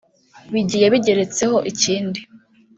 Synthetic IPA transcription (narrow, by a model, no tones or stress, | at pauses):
βiɟiːjeβiɟe̞ɾe̞t͡se̞ho̞ʔiciːndi